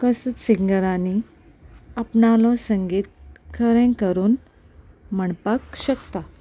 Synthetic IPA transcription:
kəsət͡ssiŋɡəɾani | əpnalɔsəŋɡiːt̪̚kʰəɾẽkəɾuːn | məɳpakɕəkt̪a

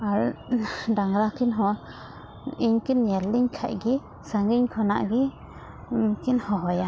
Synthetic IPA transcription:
al | daŋɾakinɦo | iɲkinjeɾliɲkʰa̰jɡi | saŋɡiɲkʰona̰ɡi | kinhoɦoja

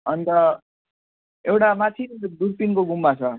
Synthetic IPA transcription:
ʌnt̪ʌ | ewʈamat̪ʰind̪uɾp̪inkoɡumːat͡sʰʌ

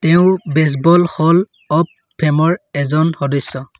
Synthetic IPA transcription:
tɛʊ̃bɛs̬bɔlxɔl | ɔp | pʰːɛmɔɹɛzɔnxɔdɔsːɔ

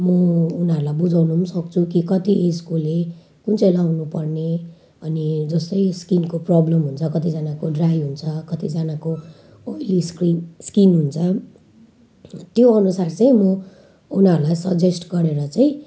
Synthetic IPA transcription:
mʌunʌɾulajbud͡zʱawnusʌkt͡sʰukikʌt̪iʔeskule | kunt͡selawnupʌrne | ʌnid͡zʌst̪ʌjskinkoprɔblʌmɦunt͡sʰʌkʌt̪id͡zanakoɖrajɦunt͡sʰʌkʌt̪id͡zanako | oiliskriskinɦunt͡sʰʌ | t̪joʌnusart͡saĩmʌ | unʌɾulajsʌɡd͡zesʈɡʌɾeɾʌt͡saĩ

